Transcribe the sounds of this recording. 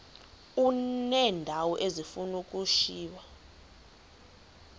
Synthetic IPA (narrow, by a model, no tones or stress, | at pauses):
unɛːndʱawɔʔezifunukʼuʃiːwa